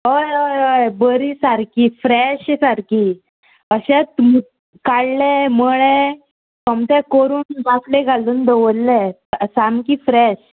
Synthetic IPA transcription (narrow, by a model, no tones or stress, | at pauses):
ɦojɦəjəjbəɾisaɾkifɾɛɕɛsaɾki | əɕɛt̪̚mu | kaɽleməɭe | kəmt̪ɛkoɾuːnʋaslẽɡʱaluːnd̪əʋəlːɛ | samkifɾɛɕ